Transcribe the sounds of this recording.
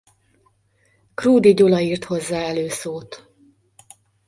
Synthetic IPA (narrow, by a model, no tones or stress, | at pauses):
kruːd̪iɟolɒiːrt̪ho̞zːaːɛløːsoːt̪